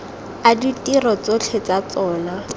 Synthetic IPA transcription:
aditʼirɔt͡sot͡ɬʰet͡sat͡sɔːna

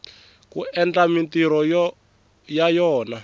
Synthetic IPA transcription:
kuʔɛnd͡ɮamintiɾɔ | jajɔːna

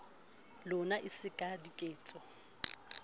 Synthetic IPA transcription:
lʊnaʔɪsɪkʼadikʼeːt͡sʼɔ

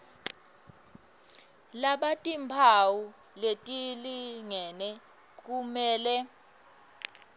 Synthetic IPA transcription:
laɓatʼimpʰawu | letʼiliŋɛnɛ | k̬ʼumɛːlɛ

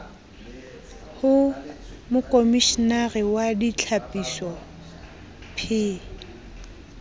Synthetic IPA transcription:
hʊmʊkʼomiʃinarɪwadit͡ɬʰapʼisɔ | pʰɪː

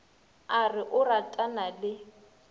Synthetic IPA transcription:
arɪʔʊratʼanalɪ

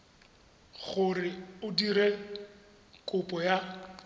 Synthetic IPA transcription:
ɣʊrɪʊdiɾe | kʼʊpʼɔja

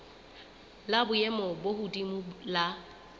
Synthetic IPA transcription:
labʊjɛmɔbohudimʊla

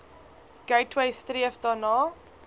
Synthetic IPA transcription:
ɡ̥əjtʰweɪstriəfdɑːnɑː

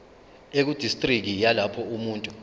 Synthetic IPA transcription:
ek̬ud̥ʱistʼrik̬ijalapʰɔumuːntʼu

